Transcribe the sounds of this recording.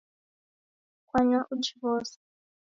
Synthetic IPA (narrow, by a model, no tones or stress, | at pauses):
kwaɲaʔut͡ʃiβɔːsɛ̥